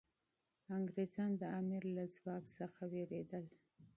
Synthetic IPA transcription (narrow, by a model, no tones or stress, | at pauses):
aŋɡɾezɑnd̪əɑmɪɾlad͡zwɑksəxaweɾed̪əl